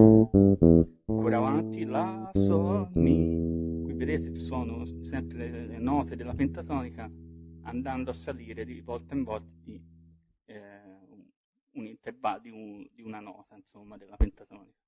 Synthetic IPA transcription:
kʰuɾavant̪ilasɔːmikwivːed̪eːt̪esɔːnosɛmpɾelelenɔːt̪ed̪elːapent̪at̪ɔːnikaa̰nd̪and̪oasːaliːɾed̪ivɔlt̪aiɱvɔlt̪ad̪i | unint̪ervald̪iud̪iunanɔ̰ːt̪ainsomːad̪elːapent̪at̪ɔːnikḁ

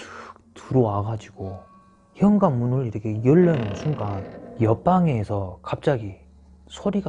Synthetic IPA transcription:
tuɾowaɡad͡ʑiɡ̥o | çjʌŋɡanmunɯɾiɾʌkʰe̞jɯɭːʌnɯnsʰuŋɡanjʌp͈aŋe̞sʰʌkap̚t͡ɕ͈aɡi | sʰoɾiɡa

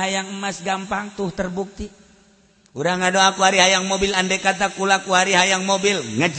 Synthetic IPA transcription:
ajaŋ̩masɡampaŋt̪uht̪ərbuk̚t̪i | uɾaŋadoakuɦaɾiɦajaŋmobilandɛkat̪̬akulakuɦaɾiɦajaŋmobilŋəd͡ʒ

